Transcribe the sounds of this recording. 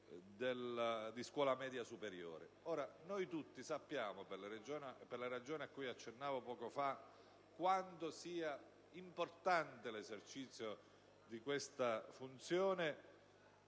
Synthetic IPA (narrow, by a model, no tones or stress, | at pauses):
d̪eld̪iskwɔːlamɛːd̪jasupeɾjo̰ːɾḛ | oːɾanojt̪ut̪ːisapːjaːmoperlaɾed͡ʒoːnperlaɾad͡ʒoːneakːuːjat͡ʃːenːaːvopɔːkofa | kwant̪osiːa | import̪ant̪elezert͡ʃit̪sːjo | d̪ikwest̪afunt̪sjoːne